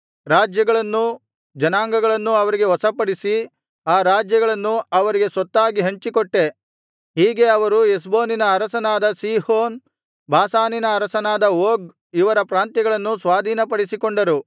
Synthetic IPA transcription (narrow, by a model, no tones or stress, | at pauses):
ɾaːd͡ʒjɐɡɐɭɐnːu | d͡ʒɐnaːŋɡɐɡɐɭɐnːuɐʋɐɾiɡe̞ɦɔsɐpɐɽisi | aːɾaːd͡ʒjɐɡɐɭɐnːuɐʋɐɾiɡe̞sɔt̪ːaːɡiɦɐɲt͡ʃikoʈːe̞ | ɦiːɡe̞ɐʋɐɾues̬boːninɐːɾɐsɐnaːd̪ɐsiːhoːn | bʱaːsaːninɐːɾɐsɐnaːd̪ɐoːɡ | iʋɐɾɐpɾaːnt̪ɐɡɐɭɐnːusʋaːd̪ʱiːnɐpɐɽisikoɳɖɐɾu